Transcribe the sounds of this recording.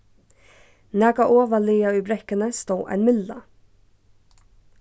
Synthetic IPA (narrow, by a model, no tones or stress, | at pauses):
næːkɑʔoːʋəliːɑʉːbɾɛkənəst̪oːʔæ̰ɪnmɪllɑ̰